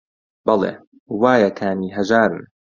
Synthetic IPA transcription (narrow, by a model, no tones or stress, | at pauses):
bɑlˠḛː | waːjɐkʰaːniːɦɐʒaːɾɨ̰n